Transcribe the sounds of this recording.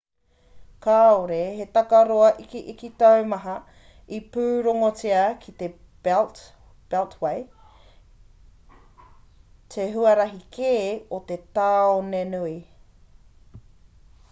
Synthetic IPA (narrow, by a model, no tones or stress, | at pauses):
kaːoɾehet̪ɐkɐɾoɐʔikiʔikit̪ɐwmɐɦɐ | ipʉːɾoŋot͡siɐkʰit̪e | l | b̥eltwej | t̪ʰeɦuɐɾɐɦikʰeːot̪et̪aːonenui